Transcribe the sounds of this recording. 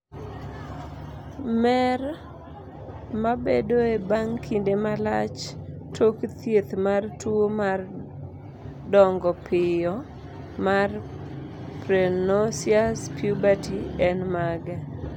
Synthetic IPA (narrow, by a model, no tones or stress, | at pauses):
mɛr | mabedoebaŋkʰindemalat͡ʃ | tʰokt̪jet̪martwomar | dɔŋɡɔpɪjɔ | mar | pɾenosiaspjubatiɛnmaɡɛ